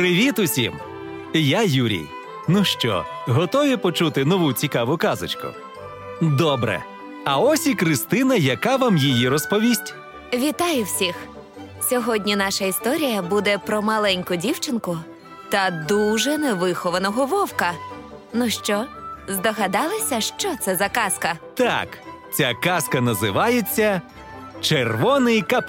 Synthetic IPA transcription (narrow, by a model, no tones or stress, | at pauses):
pɾɪʋʲit̪ʊsʲḭm | jajuɾʲḭj | nuʃt͡ʃɔ̰ɦɔt̪ɔʋʲipɔt͡ʃut̪ɪnɔʋut͡sʲikɑʋʊkɑzɪ̰t͡ʃkʊ̰ | d̪ɔbɾɛ̰ | ɐɔsʲikɾɪst̪ɪnɐjɐkɑʋamjijiɾɔspɔʋʲisʲtʲ | ʋʲit̪ɑjʊwsʲix | sʲɔɦɔdʲnʲinɑʃɐist̪ɔɾʲijɐbud̪ɛpɾɔmɐlˠɛnʲkʊdʲiwt͡ʃɪnkʊ | t̪ɐd̪uʒɛnɛʋɪxɔʋɐnɔɦɔʋɔwkɐ | nʊʃt͡ʃɔzd̪ɔɣɐd̪ɑlˠɪsʲɐʃt͡ʃɔt̪sɛzɐkɑskɐt̪ɑ̰k | t͡sʲakɑskɐnɐzɪʋɑjet͡sʲːɐ | t͡ʃerʋɔnɪjkɐp